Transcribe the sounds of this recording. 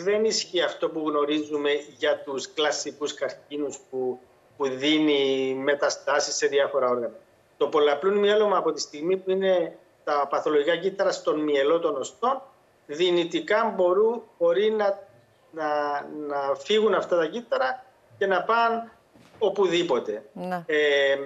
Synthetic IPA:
ðe̞nisçiɐft̪o̞puɣno̞ɾizːume̞ʝɐt̪usklɐsikuskɐɾcinuspu | puðinime̞t̪ɐst̪ɐsisːe̞ðiɐfo̞ɾɐo̞ɾɣɐnɐ | t̪o̞po̞lɐplunmjelo̞mɐːpo̞t̪ist̪iɣmipuine̞ | t̪ɐpɐθo̞loʝikɐcit̪ːɐɾɐst̪o̞nmielo̞t̪o̞no̞st̪o̞n | ðinit̪ikɐmbo̞ɾubo̞ɾinɐ | nɐnɐfiɣunɐft̪ɐt̪ɐcit̪ːɐɾɐ | ce̞nɐpɐn | o̞puðipo̞t̪e̞e

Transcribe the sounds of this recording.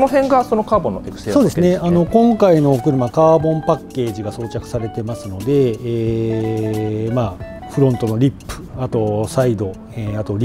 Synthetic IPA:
noɦẽ̞ŋɡaso̞no̞kaːbõ̞nːoekɯ̥sesso̞ːd̪e̞sɨne̞ano̞kõ̞ŋkaino̞kɯ̟ɾɯ̟makaːbõ̞mpakːe̞ːʑiɡaso̞ːt͡ɕakɯ̟̥saɾe̞t̪e̞masɨno̞d̪e̞ː | ma | ɸɯ̟ɾõ̞nt̪o̞no̞ɾʲipːɯ̟̥at̪o̞said̪o̞ | eat̪o̞ɾʲ

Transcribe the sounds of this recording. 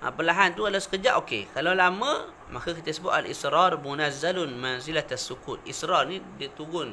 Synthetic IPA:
ʔə̰pəlaɦant̪ukalasə̥kəd͡ʒaʔokḛkalawlamə̃ | makakit̪əsəbʊt̪a̰lḭsɾɑrmunazalunmanzilat̪asːukut̪̚isɾɑrnidit̪uɡʊn

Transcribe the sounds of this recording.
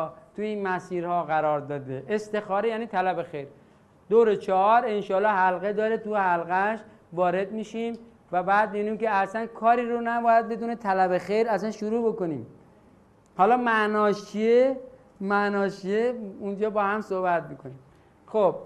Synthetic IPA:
t̪ʰuiːnmæsiːɾhɒːɣæɾɒːɾd̪ɒːd̪eʔest̪e̞xɒːɾejæːniːt̪ʰælæbexejɾ | d̪owɾet͡ʃʰɒhɒːɾenʃɒːlːɒːhælɣed̪ɒːɾet̪uhælɣæʃ | vɒːɾe̞d̪miːʃim | væbæːd̪̚meniːmkeæsænkʰɒːɾiːɾonæbɒːjæd̪̚be̞d̪unet̪ʰælæbexejɾæsænʃuɾuːbokoniːm | hɒːlɒːmæʔnɒːʃt͡ʃʰie | mæʔnɒːʃʰieund͡ʒɒːbɒːhæmsohbæt̪̚miːkʰoniːm | xob̥̚

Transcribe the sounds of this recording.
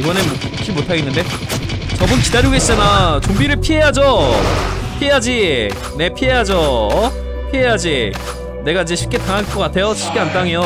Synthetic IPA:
iɡʌnem | t͡ɕ͈imotʰaɡe̞nːɯnde̞ | t͡ɕʌbɯnkidaɾjuɡes͈ɯnat͡ɕombiɾɯɭpʰiɦe̞jad͡ʑo | pʰiejad͡ʑi | ne̞pʰiɦe̞jad͡ʑo | pʰiɦe̞jad͡ʑi | ne̞ɡaid͡ʑe̞ɕʰi̥p̚k͈e̞taŋɦaɭk͈ʌk͈atʰe̞joɕʰi̥p̚k͈eant͈aŋejo

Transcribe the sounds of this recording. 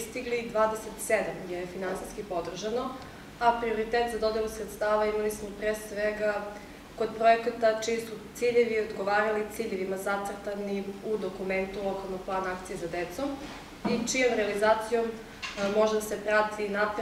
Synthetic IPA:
st̪iɡlid̪ʋaːd̪eset̪sed̪amɡjejefinansiskipo̞d̪r̩ʒano | apɾio̞ɾit̪et̪zad̪o̞d̪elusɾet̪st̪aːʋaimalismopɾesʋeɡa | ko̞d̪pɾoekat̪at͡ʃimisut̪siʎeʋiod̪ɡo̞ʋaːɾalit̪siʎeʋimazat̪sər̩t̪aniud̪o̞kume̞nt̪ulˠo̞kalˠnoɡ̚plˠaːnaakt̪sijezad̪et̪som | it͡ʃijomɾealizaːt̪sijo̞m | mo̞ʒed̪asepɾat̪ʰinap

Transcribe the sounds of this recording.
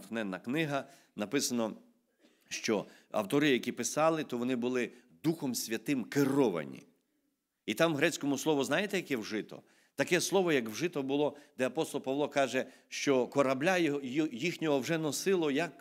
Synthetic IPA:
t̪xnɛnːɐknɪɦɐ | nɐpɪsɐnɔ | ʃt͡ʃɔ | ɐ̰wt̪ɔɾɪjɐkʲipɪsɑlˠɪt̪ɔʋɔnɪbʊlˠɪ | d̪uxɔmsʲʋʲɐt̪ɪmkerɔʋɐ̰nʲḭ | it̪ɑmɦɾɛt͡sʲkɔmʊslˠɔʋʊznɑjet̪ɛjɐkɛwʒɪt̪ɔ̰ | t̪ɐkɛslˠɔʋɔjɐkwʒɪt̪ɔbʊlˠɔd̪ɛɐpɔst̪ɔlˠpɐʋlˠɔkɑʒɛ | ʃt͡ʃɔkɔɾɐblʲajixnʲɔɦɔwʒɛnɔsɪlˠɔjɐk

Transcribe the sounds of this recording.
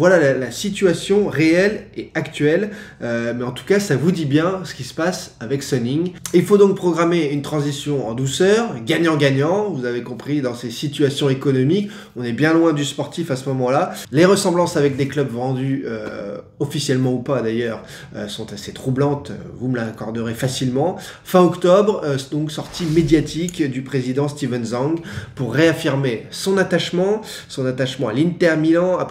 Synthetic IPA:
vwalalalasit̪yasjɔ̃ʁeɛlɛakt̪ɥɛlømɛɑ̃t̪u̥kasavud̪ibjɛ̃sə̥kʲisə̥pasavɛksɔniŋilfod̪ɔ̃k̚pχɔɡʁameynt̪χɑ̃zisjɔ̃ɑ̰̃d̪usœːʁɡaɲɑ̃ɡaɲɑ̃vuzavekɔ̃pχid̪ɑ̃sesit̪ɥasjɔ̃ekɔnɔmik | ɔ̃nɛbjɛ̃lwɛ̃d̪yspɔʁt̪ifasəmɔmɑ̃laleʁəsɑ̃blɑ̃savɛk̚d̪eklœbvɑ̃d̪yø | ɔfisjɛlmɑ̃upad̪ajœʁ | øsɔ̃t̪aset̪χublɑ̃t̪vuməlakɔʁd̪əʁefasilmɑ̃ | fɛ̃ɔkt̪ɔbʁd̪ɔ̃ksɔʁt̪ʰimed̪jat̪ʰikd̪ypχezid̪ɑ̃st̪ivɛnzɑ̃ɡpuʁːeafiʁmesɔ̃nat̪aʃmɑ̃ | sɔ̃nat̪aʃmɑ̃alint̪ɛʁmilɑ̃ap

